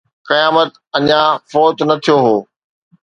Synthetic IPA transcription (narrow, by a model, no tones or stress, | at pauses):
kɐjaːmət̪ | ɐɲãfoːt̪nɐt̪ʰijoɦoː